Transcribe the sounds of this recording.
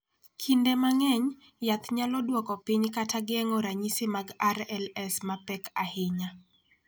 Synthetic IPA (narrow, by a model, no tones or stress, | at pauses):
kʰindɛmaŋɛɲ | jat̪ɲalɔdwɔkɔpiɲkataɡɪɛŋɔɾaɲisemaɡaɾɛlɛsmapɛkahɪɲa